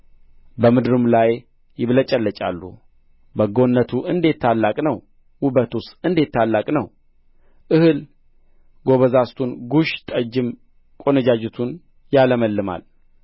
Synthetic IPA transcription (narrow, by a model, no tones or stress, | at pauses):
bəmɨd̪ɨɾɨmlaj | jɪβlət͡ʃʼəlːət͡ʃʼa̰lːṵ | bəɡo̞nːət̪ʰuʔɨnd̪et̪ʰːalːakʼnəw | wʊbət̪usɨnd̪et̪ʰːalːakʼnəw | ʔɨhɨl | ɡo̞βəzast̪ʰunɡuʃt̪ʼəd͡ʒɪm | kʼonəd͡ʒad͡ʒɛt̪ʰun | jaləməlːɨma̰l